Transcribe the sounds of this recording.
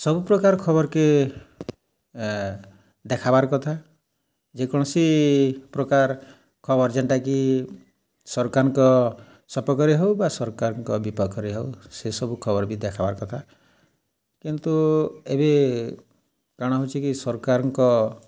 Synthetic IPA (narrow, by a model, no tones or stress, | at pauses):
sɔbupɾɔkaɾɔkʰɔbɔɾke | d̪ekʰabaɾkɔt̪ʰa | d͡ʒekɔɽ̃ɔsipɾɔkaɾ | kʰɔbɔɾd͡ʒeɳʈaki | sɔɾkaɾɔŋkɔ | sɔpɔkɔɾiɦewbasɔɾkaɾɔŋkɔbipɔkʰɔɾiɦewsesɔbukʰɔbɔɾɔbid̪ekʰabaɾkɔt̪ʰa | kint̪uebe | kaɽ̃ɔɦot͡ʃʰikisɔɾkaɾɔŋkɔ